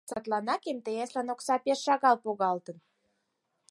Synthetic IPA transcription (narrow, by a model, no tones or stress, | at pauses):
sɑt̪lɑnɑkemt̪ejeslænoksɑpeʃːɑɣɑlpoɣɑlt̪ən